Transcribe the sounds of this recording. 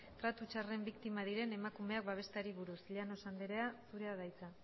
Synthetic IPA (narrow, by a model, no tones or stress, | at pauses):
t̪ɾat̪ut͡ʃare̞mbikt̪imaðiɾe̞ne̞makume̞ak̚baβ̞e̞st̪aɾiβuɾusʎano̞sand̪eɾe̞asuɾe̞að̞ajt͡sa